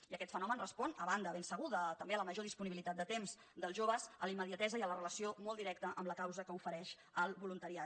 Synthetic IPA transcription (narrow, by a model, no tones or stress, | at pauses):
iəkɛt̪fənɔmənrəspɔnəβand̪əβensəɣ̞uðət̪əmbeələməʒoðispuniβilit̪at̪̚d̪ət̪emz̥ | d̪əlˠʒoβəzəliməðiət̪ɛzəiələrələsiomɔlˠd̪iɾɛk̚t̪əʔəmləkawzəkəufəɾɛʃ | əlˠβulunt̪əɾia